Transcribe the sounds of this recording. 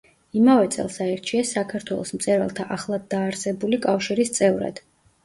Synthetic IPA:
imavɛt̪sʼɛ̰lˠsaɛɾt͡ʃʰiɛsːakʰaɾt̪ʰwɛlˠɔ̰smt̪sʼɛɾa̰lˠt̪ʰaʔaχlˠad̪ːaːɾsɛbulikʼafʃiɾist̪sʼɛvɾa̰d̪̥

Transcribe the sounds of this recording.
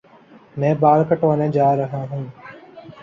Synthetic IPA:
nẽːbaːlkəʈʋənẽːd͡ʒaːɾəɦãːɦũː

